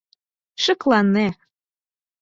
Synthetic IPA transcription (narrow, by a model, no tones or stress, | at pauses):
ʃɤ̆klɑnːe